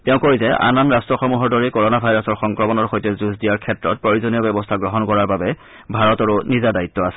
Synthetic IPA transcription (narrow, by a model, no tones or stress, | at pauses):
tɛʊ̃koɹizɛʔa̰nanɹastɹɔxɔmuɦɔɹdɔɹikɔɹɔnabʱajɹɔsɔɹxɔŋkɹɔmɔnɔɹxojtɛzuzdijaɹkʰɛtɹɔt̚pɹoɹizɔnijɔbɛbɔstʰaɡɹɔɦɔnkɔɹaɹbabɛ | bʱaɹɔtɔɹunizadaitːɔasɛ̥